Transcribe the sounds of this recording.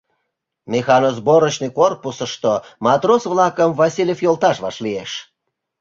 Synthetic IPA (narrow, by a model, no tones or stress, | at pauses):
mʲexɑnozboɾəɕnəkorpusəʃt̪omɑt̪rosβlɑkəmvɑsʲilʲefjolt̪ɑʃβɑʃlieʃ